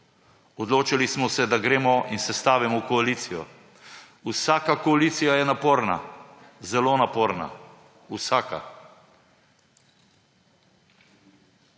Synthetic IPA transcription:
ɔd̪loːt͡ʃilismɔsɛd̪aɡɾeːmɔinsɛst̪aːʋimɔwkɔaliːt̪sijɔ̰ | usaːkakɔalit̪sijajɛnapoːɾna̰ | zɛloːnapoːɾna̰ | usaːka̰

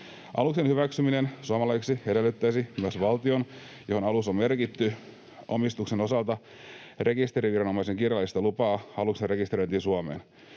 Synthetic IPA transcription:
ʔɑ̰luksenhyʋæksyminensuɑmɑlɑjksie̞de̞lːyt̪ːæjsimyæsʋɑlt̪io̞n | johonɑlusomme̞rkit̪ːy | o̰mist̪ukseno̞sɑlt̪ɑ | re̞kist̪e̞ɾiʋirɑno̞mɑiseŋkirjɑlːˑist̪ɑlupɑːɑluksenre̞kist̪eɾo̞jt̪iːnsuɑmḛːn

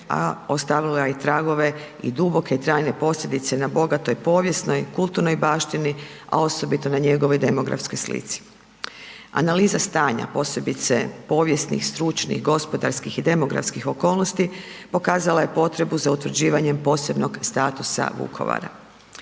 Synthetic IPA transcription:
a̰o̞st̪aʋilait̪ɾaɡo̞ʋe̞ | ḭd̪ubo̞kʰe̞it̪ɾaːjne̞po̞slʎʲe̞d̪it̪se̞nabo̞ɡat̪o̞jpo̞ːʋje̞sno̞jkulˠt̪uɾno̞jbaːʃt̪inia̰o̞so̞bit̪o̞naɲe̞ɡo̞ʋojd̪e̞mo̞ɡɾa̰fskojslḭt̪si̥ | a̰naliːzast̪aːɲa̰po̞ːse̞bit̪sepo̞ːʋje̞snḭxst̪ɾut͡ʃnḭxɡo̞spo̞d̪aɾskixid̪e̞mo̞ɡɾa̰fskixo̞ko̞ːlˠno̞st̪ipo̞kaːzalaje̞po̞t̪ɾe̞buzaut̪ʋɾ̩d͡ʑiːʋaɲe̞mpo̞ːse̞bno̞ɡst̪aːt̪usa̰ʋṵkʰo̞̰ʋa̰ɾa̰

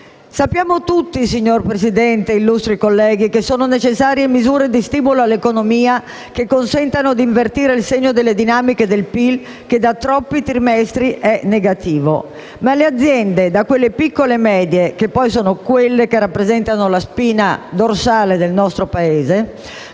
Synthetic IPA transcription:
sapːjaːmot̪ut̪ːisiɲːorpɾesid̪ɛnt̪eilːust̪ɾikolːɛːɡikesoːnonet͡ʃesːaːɾjemizuːɾed̪ist̪iːmuloalːekonomiːa | kekːonsɛnt̪anod̪iɱvert̪iːɾeilseɲːod̪elːed̪inaːmiked̪elpil | ked̪at̪ɾɔpːit̪ɾimɛst̪ɾiʔɛneɡat̪iːvo̰ | malead̪zːjɛnd̪ed̪akwelːepikːolemɛːd̪jekepːɔjsoːnokwelːekerapːɾezɛnt̪anolaspiːnad̪orsaːled̪elnɔst̪ɾopaeːze

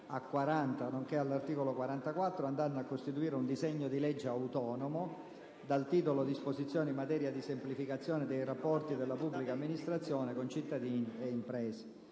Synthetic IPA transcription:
akːwaɾant̪anoŋkealːart̪iːkolokwaɾant̪akwat̪ːɾoand̪anːakːost̪it̪uiːɾeund̪izɛɲːod̪ilɛd͡ʒːeawt̪ɔːnomo | d̪alt̪iːt̪olod̪isposit̪sːjɔːneimːat̪ɛːɾjad̪isemplifikat̪sːjɔːned̪ejrapːɔrt̪id̪elːapubːlikaːmːinist̪ɾat̪sːjɔːnekont͡ʃit̪ːad̪iːnieimpɾɛːse̥

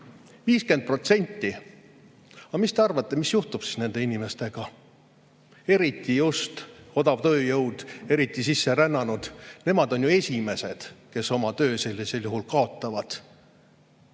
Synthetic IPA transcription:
viːske̞nd̪̚pro̞t̪se̞nʲt̪ːi | ɑmist̪e̞ɑrvɑt̪ˑːe̞misjuht̪ub̥si̥sne̞nd̪einime̞st̪e̞ɡ̥ɑ | e̞ɾit̪ːˑijust̪o̞d̪̥ɑvt̪ø̞ːjɤwd̪̥e̞ɾit̪ːˑisisːe̞ɾænːɑnud̪̥ne̞mɑd̪o̞njue̞sʲime̞se̞d̪̥ke̞so̞mɑt̪ø̞ːse̞lʲːise̞ljuɦulkɑo̞t̪ːˑɑvɑd̪̥

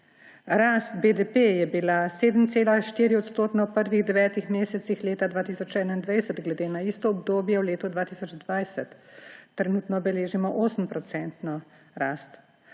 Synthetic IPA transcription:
ɾast̪bed̪ɛpejɛbilaseːd̪mt̪seːlaʃt̪iɾiɔt̪st̪oːt̪nɔwpəɾʋiɣd̪ɛʋɛːt̪ixmeːsɛt̪sixleːt̪ad̪vaːt̪isɔt͡ʃɛːnaind̪ʋɛjsət̪ɡlɛd̪eːnaist̪ɔːbd̪oːbjɛwleːt̪ɔd̪ʋaːt̪iːsɔd͡ʒd̪ʋajsɛt̪ːɾɛnuːt̪nɔbɛleːʒimɔʔoːsəmpɾɔt̪sɛnt̪nɔ | ɾaːst̪

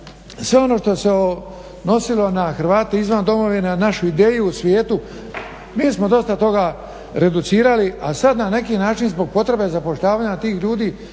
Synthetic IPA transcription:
sʋe̞o̞no̞ʃt̪o̞eseo | no̞silo̞naxɾ̩ʋaːt̪eizʋand̪o̞mo̞ʋinanaʃuid̪e̞ːjuːsʋjeːt̪u | miːsmo̞d̪o̞st̪at̪o̞ɡa | ɾe̞d̪ut̪siːɾaliʔasad̪nane̞kiːnaːt͡ʃinzbo̞ɡ̚po̞t̪ɾe̞be̞zapo̞ʃʎaːʋaːɲat̪iːxʎuːd̪iː

